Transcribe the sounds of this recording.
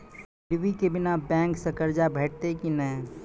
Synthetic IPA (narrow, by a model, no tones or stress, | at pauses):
lʋikebɪnabɛ̃ːŋksɐkəɾd͡ʒabʱɛːʈ̚t̪ekinɐ